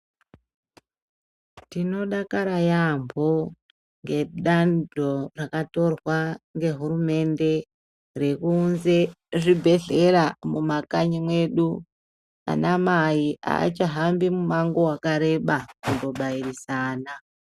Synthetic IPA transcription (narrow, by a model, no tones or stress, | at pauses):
tino̞ɗakaɾajambʱo̞ | ŋɡe̞ɗandʱo̞rakato̞rwaŋɡe̞ɦuɾume̞nde̞ | re̞kunze̞ | ʐibʱe̞ɮe̞ɾamumakaɲimwe̞ɗu | a̰namaiʔa̰ːt͡ʃaɦambimumaŋɡo̞wakaɾe̞ɓakundo̞ɓairisaːna